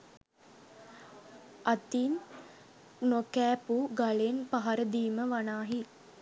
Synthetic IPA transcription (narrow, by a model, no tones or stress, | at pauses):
at̪in | nokæːpuɡalenpaɦaɾəd̪iːməʋanaːɦi